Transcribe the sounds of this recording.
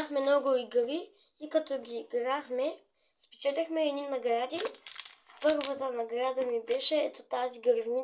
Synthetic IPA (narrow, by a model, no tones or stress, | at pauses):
axmɛmnɔɡʊiɡɾiː | kɐt̪ɔɡʲiːɡɾaxmɛ | spɛ̥t͡ʃɛt̪ʲɐxmɛːd̪ʲinːɐɡɾad̪i | pɤɾvozɐnɐɡɾad̪əmibɛʃɛɛt̪ot̪aziɡɾvni